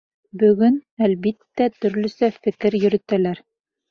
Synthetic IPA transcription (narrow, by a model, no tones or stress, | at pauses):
bɵ̆ɡɵnælβit̪ːæt̪ɵ̆ɾlɵ̆sæfɘ̆kɘɾjɵ̆ɾɘ̆t̪ælæɾ